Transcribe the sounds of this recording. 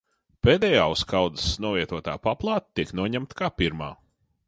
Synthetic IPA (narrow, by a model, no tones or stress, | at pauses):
peːd̪ɛjaːuskawd̪ɨsnuɔvʲiɛt̪uɔt̪a̰ːpaplˠɑːt̪̚t̪ːiknuɔɲæmt̪kaːpiɾma̰ː